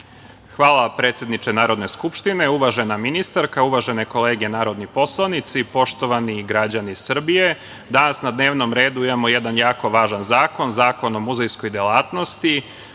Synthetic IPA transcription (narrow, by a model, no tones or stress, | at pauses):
xʋaːlˠapɾeːt̪sʲje̞d̪nit͡ʃenaːɾo̞d̪ne̞skupʃt̪ine̞uʋaʒe̞naminist̪aɾkauʋaʒe̞neko̞le̞ːɡenaːɾo̞d̪nipo̞slˠanit̪sipo̞ʃt̪o̞ʋaniɡɾad͡ʑanisr̩bije̞ | d̪anasnad̪ne̞ːʋno̞mɾe̞ːd̪uimamo̞jed̪anjaːko̞ʋaːʒanzaːko̞nzaːko̞no̞muzejsko̞jd̪jelˠaːt̪no̞st̪i